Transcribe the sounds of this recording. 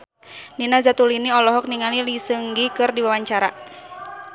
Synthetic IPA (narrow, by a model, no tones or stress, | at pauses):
ninazat̪uliniɔlɔɦɔk̚niŋalilisɨŋɡikɨrdiwawaɲt͡ʃaɾa